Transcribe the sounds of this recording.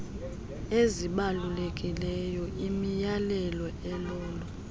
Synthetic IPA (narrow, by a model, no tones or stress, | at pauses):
eziɓalulekʼilɛjɔimijalɛlɔɛlɔːlɔ